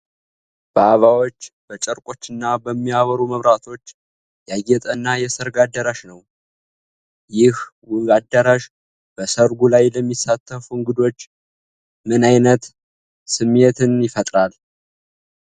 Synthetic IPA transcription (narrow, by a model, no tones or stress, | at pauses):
b̥əaβawo̞t͡ʃːb̥ət͡ʃʼəɾkʼo̞t͡ʃːɨnːabəmːiaβəɾuməβɾat̪ʰo̞t͡ʃː | jaɡɛt̪ʼənːajɛsəɾɡad̪ːəɾaʃnəw | jɪhwad̪ːəɾaʃ | b̥əsəɾɡulajləmːisːat̪ʰːəfuɨŋɡɨd̪o̞t͡ʃː | mɨnajnət̪ | sɨmːet̪ʰɨnjɪfət̪ʼɾal